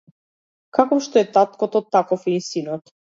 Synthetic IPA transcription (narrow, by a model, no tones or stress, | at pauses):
kakɔfʃt̪ɔɛt̪at̪kɔt̪ɔt̪ːakɔfinsinɔt̪